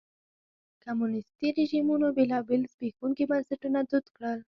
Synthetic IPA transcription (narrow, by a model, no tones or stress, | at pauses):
kamunɪst̪iɾɪʒimunobelɑbɪlzbixuŋkibansaʈunad̪ud̪kɽəl